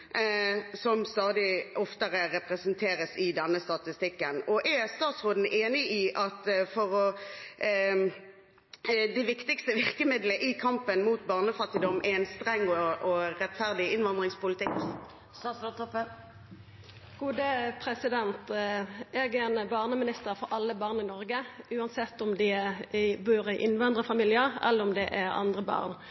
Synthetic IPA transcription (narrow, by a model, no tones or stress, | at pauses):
sɔmst̪ɑːd̪ɪɔft̪əʁəʁɛpʁɛsənt̪ʰeːʁəsɪd̪ɛnːəst̪ɑt̪ɪst̪ɪkːənɔʔɛst̪ɑːt̪sʁoːd̪n̩ʔeːnɪiːʔɑt̪fɔʁɔ | d̪ɛʋɪkt̪ɪkst̪əʋɪʁkəmɪd̪ləʔɪkʰɑmpənmuːt̪̚bɑːʁnəfɑt̪ːɪd̪ɔmʔæɛnst̪ʁɛŋːɔʔɔʁɛt̪fæʁd̪ɪɪnʋɑnd̪ʁɪŋspʊlɪt̪ɪk | sɑst̪ʰɔpːə | ɡ̥uːd̪əpʰʁɛsɪd̪ɛnt̪ | ɛːɡɛnbɑːʁnəmɪnɪst̪əɾfɔɾʔɑlːəbɑːʁnɪnɔʁɡəʉːɑnsɛt̪ːɔmd̪ɪɛɪbuːʁəʔɪnʋɑnd̪ʁəfɑmiːljəʁɛ̰lːəʁɔmd̪ɛʔæʁɑ̰nd̪ʁəbɑ̰ːʁn